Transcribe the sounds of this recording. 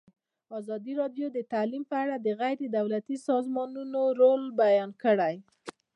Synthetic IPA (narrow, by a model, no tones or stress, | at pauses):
ɑzɑd̪iɾɑɖjod̪ət̪alimpəaɽad̪əɣajɾed̪awlat̪isɑzmɑnunoɾolbajɑnkəɽaj